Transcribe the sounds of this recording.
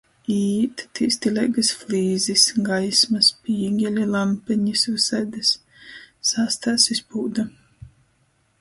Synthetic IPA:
iːt̪t̪iːst̪ilʲɛjɡasflʲiːzisɡajsmɐspʲiːɡʲɛlʲilˠampɛɲisusɛjd̪ɨsː | ast̪aːsispuːd̪a

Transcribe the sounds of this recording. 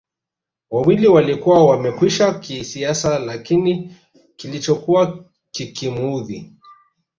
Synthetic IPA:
wawiliwalikuwawamɛkwiʃakisiasalakini | kilit͡ʃɔkuwa | kikimuðḭ

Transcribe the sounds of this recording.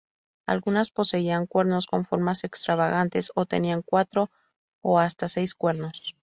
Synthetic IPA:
a̰lɣunaspo̞se̞iaŋkwe̞ɾno̞sko̞ɱfo̞ɾmase̞kst̪ɾaβaɣant̪e̞so̞t̪e̞̰niaŋkwat̪ɾo̞ | oast̪ase̞jskwe̞ɾno̞s

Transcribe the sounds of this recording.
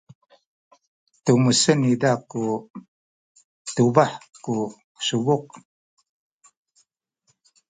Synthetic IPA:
tumusənidaku | tuvaħku | suvuq̚

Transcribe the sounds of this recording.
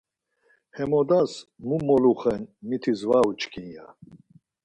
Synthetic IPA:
hɛmɔd̪asmumɔluχɛnmit̪ʰizvaut͡ʃkʰʼinja

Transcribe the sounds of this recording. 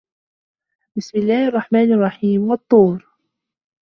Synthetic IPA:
bɪsmɪlːaːhʔɑrˤːɑħmaːnɑrˤːɑħiːmwɑt̪ˤːuːɾ

